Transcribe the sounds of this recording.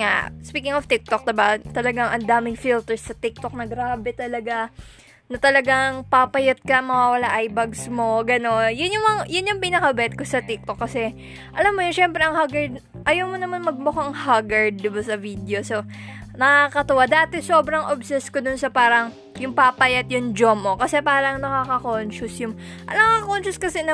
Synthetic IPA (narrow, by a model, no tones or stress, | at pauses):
ŋa̰spiːkɪŋoft̪ɪk̚t̪ok̚d̪ɪbat̪ɐlɐɡaŋʔɐnd̪aːmɪŋfilt̪ɛɹsːɐt̪ɪk̚t̪ok̚nɐɡɾaːbɛt̪ɐlɐɡa | nɐt̪ɐlɐɡaŋpapɐjot̪̚kɐmɐwaːwɐlaʔajbɐɡsmo̞ɡɐno̞njʊnjʊŋɐŋjʊnjʊŋpinɐkɐbɐɛt̪̚kosɐt̪ɪk̚t̪okːɐsɛ | ʔɐlamːoɲɐʃɛmpɾɛɐŋhaɡɐɹd̪̚ | ʔɐjɐwmonɐmanmɐɡ̚mʊkoɐŋhaɡɐɹd̪̚ːɪbasɐvid̪ɛo̞so̞ | nɐkakɐt̪ʊwad̪aːt̪ɛso̞ːbɾɐŋʔobsɛskod̪ʊnsɐpaːɾɐŋ | jʊŋpapɐjɐt̪̚jʊŋd͡ʒomʔo̞kɐsɛpaːɾɐŋnɐkakɐkonʃʊsjʊŋ | ʔɐnɐkaɐkont͡ʃʊskɐsɛnɐ